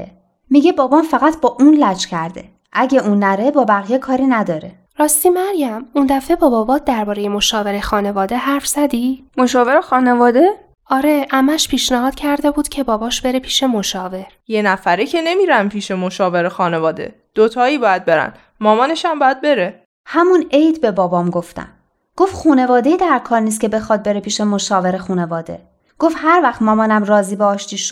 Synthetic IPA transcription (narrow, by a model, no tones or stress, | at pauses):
miːɟe̞bɒːbɒmfæɣæt̪ʰbɒːʔuːnlæt͡ʃcʰæɾd̪e̞̰ | ʔæɟʲeʔuːnːæɾebɒːbæɣijekʰɒːɾiːnæd̪ɒːɾe | ɾɒːst̪imæɾjæmund̪æfe̞bɒːbɒːbɒːd̪æɾbɒːɾe̞jemoʃɒːve̞ɾexɒːne̞vɒːd̪e̞ɦæɾfz̥æd̪imo̞ʃɒːve̞ɾexɒːne̞vɒːd̪e̞ | ɒːɾe̞ʔæmæʃpʰiːʃnæɦɒːd̪̥cʰæɾd̪e̞buːd̪̥cʰe̞bɒːbɒːʃb̥e̞ɾepʰiːʃe̞moʃɒːve̞ɾjenæfæɾecʰe̞ne̞miːɾæmpʰiːʃe̞moʃɒːve̞ɾexɒːnevɒːd̪e̞̰ | d̪̥ot̪ʰɒːiːbɒːjæd̪̚be̞ɾæ̰n | mɒːmɒːneʃæmbɒːjæd̪̚be̞ɾe | hæmunejt̪ʰbe̞bɒːbɒːmɡo̞ft̪æ̰m | ɡ̥ofxuːne̞vɒːd̪eid̪æɾkʰɒːɾniːs̬cʰe̞be̞xɒd̪̚be̞ɾepʰiːʃe̞mo̞ʃɒːve̞ɾexuːne̞vɒːd̪e̞̰ | ɡ̥ofhæɾvæxt̪mɒːmɒːnæmrɒːziːbeɒːʃt̪iːʃ